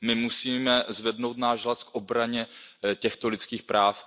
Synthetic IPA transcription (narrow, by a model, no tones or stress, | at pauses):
mɪmusiːmɛzvɛdno̞wt̪naːʒɦlaskʔobɾaɲɛcɛxt̪olɪt͡skiːxpɾaːf